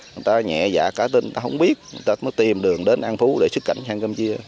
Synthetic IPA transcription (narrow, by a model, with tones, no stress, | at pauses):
ŋ˨˩jt̪aː˧ɲɛ̰˧˨za̰ː˧˩kaː˧˦t̪i˧nŋ˨t̪aː˧ɦə˧wŋ͡mɓi˦˥ət̚ŋɨ˨˩jt̪aː˧məː˨˦t̪i˨˩mɗɨ˨˩əŋɗe˨˦nʔa˧nfu˨˦ɗe˧˩sɨ˦˥kːa̰˧˨jŋsaː˧ŋkə˧mt͡ɕi˧ə